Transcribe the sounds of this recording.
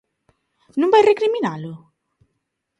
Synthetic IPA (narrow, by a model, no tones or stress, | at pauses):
numbajrekɾiminalʊ